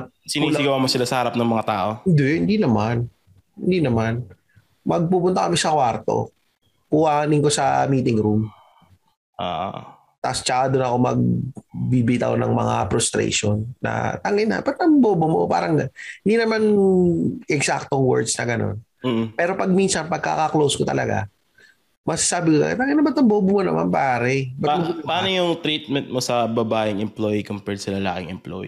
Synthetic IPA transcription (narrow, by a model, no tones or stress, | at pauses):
sɪniːsɪɡɐwamosɪlasɐhɐɾap̚nɐŋmɐŋat̪aːʔo̞ɪnd̪ɛhɪnd̪inɐman | hɪnd̪inɐman | mɐɡ̚puːpʊnt̪ɐkɐmɪsɐkwaɾt̪o̰ | kʊhaːnɪŋko̞sɐmiːt̪ɪŋɾum | ʔo̰ːʔ | t̪ast͡ʃaad̪onɐko̞mɐ̰ɡ̚bibɪɪt̪ɐ̰ko̰nɐ̰ŋmɐ̰ŋa̰pɾʊst̪ɾɛ̰ʃo̞nːɐ̰t̪ɐŋɪnːɐ̰bɐt̪ɐmboːbomo̰pa̰ːɾɐŋɪnd̪inɐman | ʔɛɡsak̚t̪oŋwɛ̰ɹd̪snɐɡɐno̞̰n | m̩ːpɛːɾo̞pɐɡ̚minsɐnpɐɡ̚kːa̰kɐklowskot̪ɐlɐɡa̰ | mɐɡsasaːbɪkokɐ̰ɛ̰t̪ɐŋɪnːabɐt̪ɐmboːbomonɐma̰npaːɾɛbɐt̪mɐpaːnojʊŋt̪ɾit̪̚mɛnt̪̚mosɐbɐbaːʔɪŋɛmplojikompɛɹsɐlɐla̰ːkɪŋɛmplo̰j̰